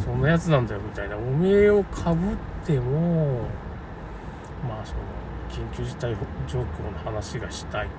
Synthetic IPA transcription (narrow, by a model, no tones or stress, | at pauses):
sõ̞nːajat͡sɨnãnd̪ajo̞mʲit̪ainaomeːo̞kʰabɯt̪ʰːe̞mo̞ | maːso̞no̰ | kʲĩŋkʲɨːʑit̪aihd͡ʑo̞ːkʲo̞ːnohanaɕiɡaɕi̥t̪ai